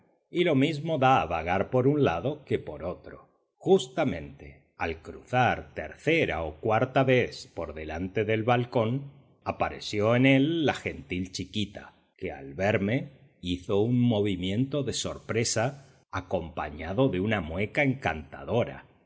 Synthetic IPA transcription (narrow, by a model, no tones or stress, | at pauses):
ilo̞mizmo̞ðaːβaɣaɾpo̞ɾunlaðo̞ke̞po̞ɾo̞t̪ɾo̞̰ | xust̪amẽ̞nt̪e̞ | a̰lkɾṵθaɾt̪e̞̰ɾθe̞ɾa̰okwaɾt̪aβe̞θpo̞ɾðe̞lant̪e̞ðe̞lβalko̞n | apaɾe̞̰sjo̞ene̞lːaxe̞nt̪ilt͡ʃikit̪a̰ | kea̰lβe̞ɾme̞ | iθo̞unmo̞β̞imjẽ̞nt̪o̞ðe̞so̞̰ɾpɾe̞saː | ko̞mpa̰ɲaðo̞ðe̞unamwe̞kae̞ŋkant̪a̰ðo̞ɾa̰